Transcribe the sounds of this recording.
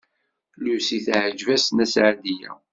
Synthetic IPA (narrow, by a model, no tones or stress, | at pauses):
lusiθʕəd͡ʒvæsnæsʕad̪ijæ̰